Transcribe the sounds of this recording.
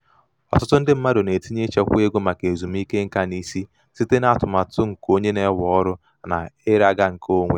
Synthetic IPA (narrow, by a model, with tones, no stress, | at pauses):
ɔ˨tʊ˦tʊ˦n̩˦dɪ˦m̩˦ma˦do˨ne˨ti˦ɲe˦t͡ʃe˦kʷe˦ɡo˦ma˨ke˨zu˨m̩˦i˦ke˦ŋ̩˦ka˦ni˦si˦ | si˦te˦na˦tʊ˨ma˨tʊ˦ŋ̩˨ko˦ɲe˦ne˦wɔ˦ɾʊ˦˨ | na̰˨ɪ˦ɾa˦ɡa˦ŋ̩˨kʰo˦ŋʷḛ˨